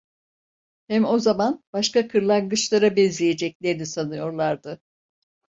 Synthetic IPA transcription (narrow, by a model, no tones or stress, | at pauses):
hɛmo̞zamanbaʃkakʰɯɾlˠaŋɡɯt͡ʃlˠaɾabɛnzlʲeje̞d͡ʒɛclʲe̞ɾinisanɯjo̞ɾlˠaɾd̪ɯ